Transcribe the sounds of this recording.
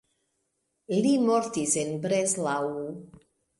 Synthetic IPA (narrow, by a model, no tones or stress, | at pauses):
limoɾt̪isenbɾezlawu